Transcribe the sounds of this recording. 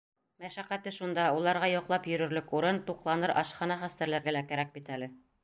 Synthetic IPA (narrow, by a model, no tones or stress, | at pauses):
mæʃæqæt̪ɘʃund̪ɑulˠɑɾʁɑjŏqlˠɑpjɵ̆ɾɵ̆ɾlɵkuɾɤnt̪uqlˠɑnɤɾʔɑ̰ʃχɑnɑχæst̪æɾlæɾɡælækæɾæk̚bit̪ælɘ